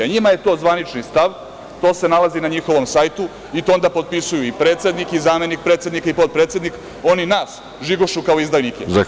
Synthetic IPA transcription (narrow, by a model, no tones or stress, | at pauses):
ɲimaje̞t̪o̞ːzʋanit͡ʃnist̪aʋ | t̪o̞ːse̞nalazinaɲixo̞ʋo̞msajt̪u | it̪o̞nd̪apo̞d̪̚pisujuipɾe̞ːt̪sʲe̞d̪nikizaːme̞nik̚pɾe̞ːt̪sje̞d̪nikaipot̪̚pɾe̞t̪sʲed̪nik | o̞ninaːs | ʒiɡoʃukaoizd̪ajnikeza